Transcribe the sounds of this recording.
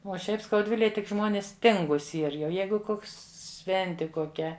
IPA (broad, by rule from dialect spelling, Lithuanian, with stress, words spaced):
uɔ ˈʃʲɛɪp skɐʊˈdʲʋʲɪlʲeːj tʲɪk ˈʒmoːnʲɪs ˈtʲɪŋɡuːs ˈiːr jɛʊ ˈjɛɪɡʊ ˈkoːks ˈʃʲʋʲɛnʲtʲɪ koːˈkʲɛ